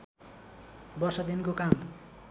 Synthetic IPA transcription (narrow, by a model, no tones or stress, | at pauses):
bʌrsʌd̪inkokam